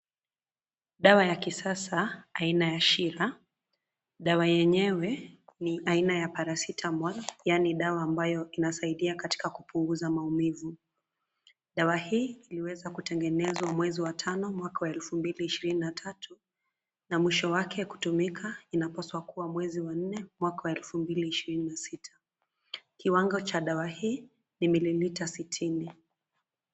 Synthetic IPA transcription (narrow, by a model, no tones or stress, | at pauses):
ɗawajakisasaːinajaʃiɾa | ɗawajɛɲɛwɛniʔainajapaɾasitʰamɔlajaniɗawaːmbajɔinasaiɗiakati̥kakupuŋɡuzamaumivu | ɗawahiːiliwɛzakutɛŋɡɛnɛzwamwɛziwatʰanɔmwakawaɛlfumbiliːʃiɾininatʰatʰu | namwiʃɔwakʰɛku̥tumikʰainapaswakuwamwɛziwan̩nɛmwakawaɛlfumbiliːʃiɾininasitʰḁ | kiwaŋɡɔt͡ʃaɗawahiː | nimililitasitʰini